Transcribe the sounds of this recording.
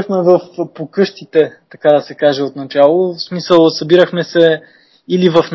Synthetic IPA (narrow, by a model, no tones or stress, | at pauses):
xmɛvəfpokɤʃt̪it̪ɛt̪ɐkad̪ɐsɛkaʒɛot̪nɐt͡ʃalˠosmisəlˠsɐbiɾəxmɛsɛ | ilivɐfn